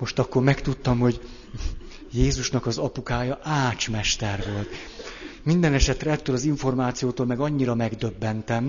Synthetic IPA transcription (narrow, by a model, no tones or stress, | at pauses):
mo̞ʃt̪ɒkːo̞rmɛkt̪ut̪ːɒmho̞ɟ | jeːzuʃnɒkɒzɒpukaːjɒʔaːt͡ʃmɛʃt̪ɛrʋo̞lt̪ | mind̪ɛnɛʃɛt̪rɛɛt̪ːøːlɒziɱfo̞rmaːt̪sijoːt̪oːlmɛɡɒɲːiɾɒmɛɡd̪ø̞bːɛnt̪ɛm